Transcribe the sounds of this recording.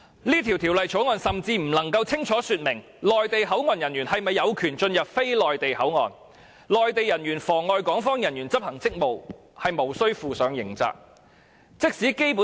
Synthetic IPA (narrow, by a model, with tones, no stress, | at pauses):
liː˥t̪ʰiː˨˩wt̪ʰiː˨˩wlɐ˨jt͡ʃʰo˨˥wŋɔː˨nsɐ˨mt͡siː˧m̩˨˩lɐ˨˩ŋkɐ˧wt͡sʰɪ˥ŋt͡sʰɔː˨˥syː˧t̚mɪ˨˩ŋ | lɔː˨jt̪e˨jɦɐ˨˥wŋɔː˨njɐ˨˩njyː˨˩nhɐ˨jmɐ˨jːɐ˨˧wkʰyː˨˩nt͡ʃɵ˧njɐ˨p̚fe˥jlɔː˨jt̪e˨jhɐ˨˥wŋɔ̰ː˨n | lɔː˨jt̪e˨jɐ˨˩njyː˨˩nfɔː˨˩ŋɔː˧jkɔː˨˥ŋfɔː˥ŋjɐ˨˩njyː˨˩nt͡sɐ˥p̚hɐ˨˩ŋt͡sɪ˥k̚mo˨w | hɐ˨jmo˨˩wsɵ˥ɥfuː˨sœː˨˧˥ŋjɪ˨˩ŋt͡sa̰ː˨k̚ | t͡sɪ˥k̚siː˨˥ke˥jpu˨˥